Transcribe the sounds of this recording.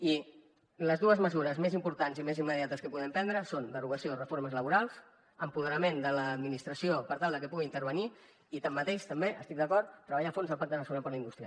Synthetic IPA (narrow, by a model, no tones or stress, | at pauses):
i | ləzðuəzməzuɾəzmezimpuɾt̪anzimezimːəðjat̪əskəpuðɛmpɛnd̪ɾəsond̪əruɣəsiorəfoɾməzləβuɾalˠs | əmpuðəɾəmend̪ələːd̪minist̪ɾəsiopəɾt̪alˠd̪əkəpuɣint̪əɾβ̞əni | it̪amːət̪eʃt̪əmbeʔə̰st̪ik̚d̪əkɔrt̪ːɾəβəʎafonzəlˠpak̚d̪ələsɣuɾapəɾləind̪ust̪ɾia